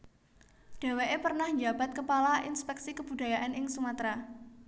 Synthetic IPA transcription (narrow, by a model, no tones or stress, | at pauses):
d̥a̤weʔepərnahɲd͡ʒab̥at̪̚kəpalaʔinspɛksikəb̥udajaʔanɪŋsumat̪ɾa